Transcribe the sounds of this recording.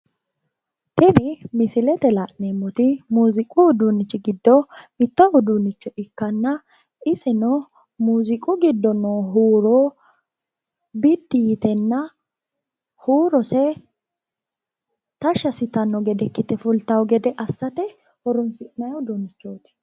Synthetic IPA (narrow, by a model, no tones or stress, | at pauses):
t̪ɪbɪmɪsɪlɛt̪ɛlaʔneːmːʊt̪ɪmuːzɪkʼʊːd̪unɪt͡ʃːɪɡɪd̪ːɔmɪt̪ːɔʔʊd̪unɪt͡ʃːɔʔɪkːɐnːɐ | ɪsɛnɔ | muːzɪkʼʊɡɪd̪ːɔnoɦuːɾoː | bɪd̪ːɪjɪt̪ɛnːɐ | huːɾɔsɛ | t̪ɐʃɐsɪt̪ɐnːɔɡɛd̪ɛkːɪt̪ɛfʊlt̪ɐwɡɛd̪ɛʔɐsːɐt̪ɛ | hɔɾʊnsɪʔnɐjʊd̪uːnːɪt͡ʃːoːt̪ɪ̥